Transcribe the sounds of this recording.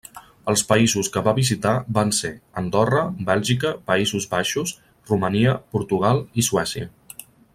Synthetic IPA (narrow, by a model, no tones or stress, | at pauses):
əlˠspəizuskəβaβizit̪abanseənd̪ɔrəbɛlʒikəpəizuzβaʃus | ruməniəpuɾt̪uɣalˠisuwɛsiə̰